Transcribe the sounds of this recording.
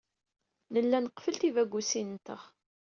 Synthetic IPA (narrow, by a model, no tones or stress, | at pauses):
nəlːænəqfəlt̪ivæɡːusint̪əʁ